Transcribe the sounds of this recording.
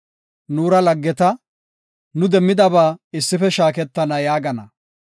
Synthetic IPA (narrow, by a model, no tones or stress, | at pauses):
nuːɾɐlɐɡːɛt̪ɐ | nʊd̪ɛmːɪd̪ɐbaːɪsːɪfɛʃaːkɛt̪ːɐnɐjaːɡɐnɐ